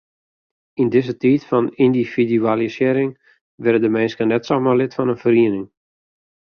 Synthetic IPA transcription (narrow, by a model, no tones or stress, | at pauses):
indɪzətiːtfɔnindifidyalisɪəɾɪŋ | ʋɪɾədəmɛnskənɛtsomarlɪtfɔnənfəriənɪŋ